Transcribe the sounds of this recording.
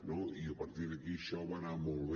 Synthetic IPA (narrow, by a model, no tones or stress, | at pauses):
noiəpɐɾt̪iɾðəkiʃɔβanamolβe